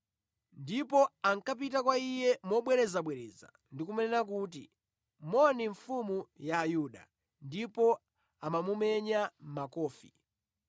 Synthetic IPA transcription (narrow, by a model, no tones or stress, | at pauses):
ndipɔaŋkap̬itakwaijɛmɔɓwɛɾɛzaɓwɛɾɛːza̰ | ndikumɛnɛnak̬uːt̬ḭ | mɔniɱfumujaːjuɗa̰ | ndipɔ | amamumɛɲam̩makɔːfi